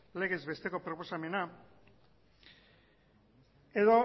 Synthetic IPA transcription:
le̞ɣ̞e̞zβe̞st̪e̞ko̞pɾo̞po̞same̞na | eðo̞

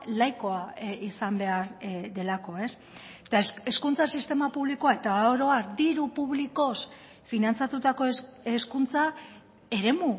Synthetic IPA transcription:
lajko̞aisambe̞aɾd̪e̞lako̞e̞s | t̪ase̞skunt͡sasist̪e̞mapuβlikoae̞t̪aoɾo̞aɾd̪iɾupuβliko̞s | finant͡sat̪ut̪ako̞eskunt͡sa | e̞ɾe̞mu

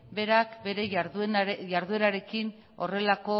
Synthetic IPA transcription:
be̞ɾakbe̞ɾe̞ɾjaɾðue̞ɾaɾe̞kin | o̞re̞lako̞

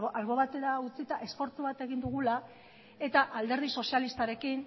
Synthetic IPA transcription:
alɣo̞βat̪e̞ɾaut͡sit̪aʔe̞spo̞ɾt͡s̪uβat̪e̞ɣ̞ind̪uɣ̞ula | e̞t̪aʔald̪e̞ɾð̞iso̞sialist̪aɾe̞kin

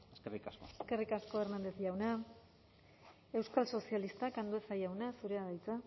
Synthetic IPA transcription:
eskerikaskoeske̞rikasko̞ermend̪esʝawna | e̞wskalso̞sijalist̪akand̪uesajawnasuɾe̞aðajt͡sa

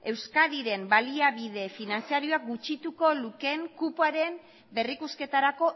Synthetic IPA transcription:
e̞wskaðiɾe̞mbaliaβið̞e̞finansiaɾio̞ak̚ɡut͡ʃit̪uko̞luke̞ŋkupoaɾe̞m | be̞rikuske̞t̪aɾako̞

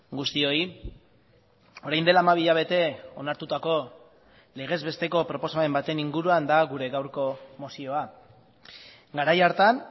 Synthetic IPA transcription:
ɡust̪io̞i | o̞ɾajnd̪e̞laːmaβ̞iʎaβ̞e̞t̪e̞o̞naɾt̪ut̪ako̞ | le̞ɣ̞e̞zβe̞st̪e̞ko̞pɾo̞po̞same̞mbat̪e̞niŋɡuɾuand̪aɣuɾe̞ɣawɾko̞mo̞sio̞a | ɡaɾajaɾt̪an

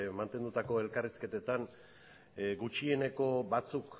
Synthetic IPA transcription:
mant̪e̞nd̪ut̪ako̞e̞lkariske̞t̪e̞t̪an | ɡut͡ʃie̞ne̞ko̞bat͡suk

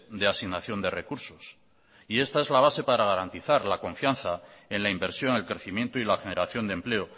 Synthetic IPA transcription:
d̪easiɣnaθjo̞nd̪e̞re̞kuɾso̞s | ie̞st̪ae̞zlaβ̞ase̞paɾaɣ̞aɾant̪iθaɾlako̞ɱfjanθae̞nlaimbe̞ɾsjo̞ŋe̞lkɾe̞θimje̞nt̪oilaxene̞ɾaθjo̞nd̪emple̞o

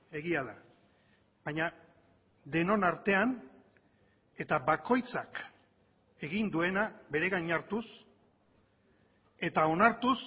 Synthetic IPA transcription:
e̞ɣiaða | baɲa | d̪e̞no̞naɾt̪e̞an | e̞t̪aβako̞jt͡sak | e̞ɣind̪ue̞nabe̞ɾe̞ɣaɲaɾt̪us | e̞t̪ao̞naɾt̪us

